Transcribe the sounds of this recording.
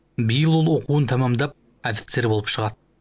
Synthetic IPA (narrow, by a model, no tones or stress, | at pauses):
bijəlˠwo̞lˠwo̞quwənt̪ʰɑmɑmd̪ɑp̚ | ofʲi̥t̪se̞ɾbo̞lˠəpʃəʁɑd̪